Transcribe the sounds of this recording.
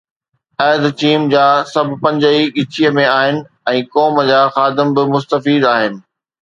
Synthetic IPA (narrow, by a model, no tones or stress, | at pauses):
ɛːd̪t͡ɕiːmd͡ʑaːsɐbʱpɐ̃ɲd͡ʑəiɠɪt͡ɕʰijəmẽaːɦɪnɪ̆ | ɛ̃ːkɔːmd͡ʑaːxaːd̪ɪmbɪmʊst̪əfiːd̪aːɦɪnɪ̆